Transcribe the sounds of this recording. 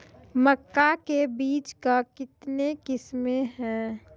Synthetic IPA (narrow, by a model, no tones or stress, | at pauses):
məkːakebiːt͡ʃkakɪt̪nekɪsmeɦɛː